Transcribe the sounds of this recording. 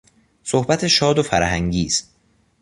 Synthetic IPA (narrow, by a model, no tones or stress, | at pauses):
sohbæt̪ʰe̞ʃɒːd̪ofæɾhæŋɟiːst̪